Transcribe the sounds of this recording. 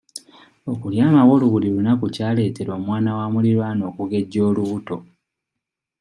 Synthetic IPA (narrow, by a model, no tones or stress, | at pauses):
okuljaːmawo̞ːluβulilunakucaːle̞ːte̞ɾo̞ːmwaːnawamuliɾwano̞ːkuɡe̞ɟːo̞ːluβuto̞